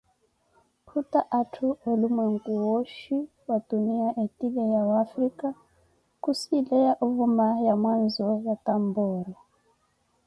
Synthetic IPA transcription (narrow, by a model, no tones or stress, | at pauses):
pʰutaʔatʰuwɛlumaŋkuwɔʃi | watuniaʔɛtilɛjawafɾika | kusilɛjaʔuvumajamwanzɔjatambɔɾa